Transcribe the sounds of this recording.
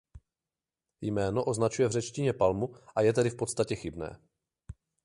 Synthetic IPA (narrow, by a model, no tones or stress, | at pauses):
jmɛːno̞ʔo̞znat͡ʃujɛvrɛt͡ʃcɪɲɛpalmuʔajɛt̪ɛdɪfpo̞t̪st̪acɛxɪbnɛ̰ː